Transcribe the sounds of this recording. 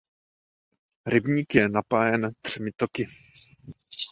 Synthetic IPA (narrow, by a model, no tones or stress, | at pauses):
ɾɪbɲiːkjɛnapaːjɛnd̪r̝̥ɛmɪt̪okɪ